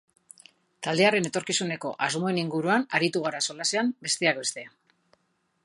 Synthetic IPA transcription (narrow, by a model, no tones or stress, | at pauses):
t̪ald̪e̞are̞ne̞t̪o̞ɾkisune̞ko̞̰ʔazmo̞e̞niŋɡuɾuanaɾit̪uɣ̞aɾaso̞lase̞ambe̞st̪e̞akbe̞st̪e̞a